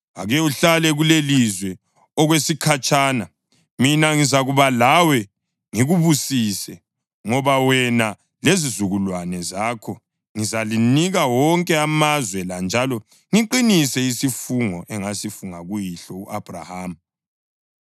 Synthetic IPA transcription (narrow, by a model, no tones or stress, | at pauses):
aɣɛuɬalɛɣulelizwɛ | ɔɣwesikʰat͡ʃʼaːna | minaŋizaɣuβalawɛ | ŋiɣuβusisɛ | ŋɔβawɛna | lezizuɣulwanɛzaːkʰɔ | ŋizaliniɣawɔŋkʼɛamazwɛland͡ʒʱalɔ | ŋiǃinisɛisifuŋɔʔɛŋasifuŋaɣujiɬɔuʔab̥ʱra̰haːm̩